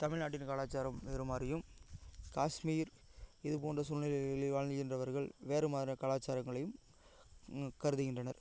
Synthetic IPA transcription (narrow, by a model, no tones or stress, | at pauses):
t̪ɐmɪɭnaːʈ̬ːɪnkaːlaːt͡ʃːaːɾɐmʋeːɾɯmaːrɪjɯmkaːʂmiːɾ | ɪðɯpoːndrɐsʊnɪlɐɪlʋaːɻnɣɪndrɐʋɐɾɣɐɭʋeːɾɯmaːɐkaːlaːt͡ʃːaːɾɐŋɡɐɭɐjɯm | kɐɾɯðɯɣɪndrɐnɐɾ